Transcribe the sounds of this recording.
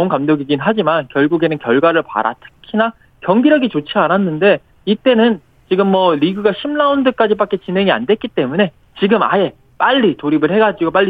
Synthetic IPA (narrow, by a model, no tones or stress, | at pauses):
ŋkamdoɡiɡinɦad͡ʑimankjʌɭɡuɡe̞nɯnkjʌɭɡwaɾɯɭpa̰ɾa̰tʰɯ̥kʰina | kjʌŋɡiɾʌɡit͡ɕot͡ɕʰiananːɯnde̞ | it͈e̞nɯn | t͡ɕiɡɯmːʌɾiɡɯɡaɕʰimnaundɯk͈ad͡ʑipak͈e̞t͡ɕinɦe̞ŋia̰ndwe̞t̚k͈it͈e̞mune̞ | t͡ɕiɡɯma̰je̞ | p͈aʎːitoɾibɯɭhe̞ɡad͡ʑiɡop͈aɭːi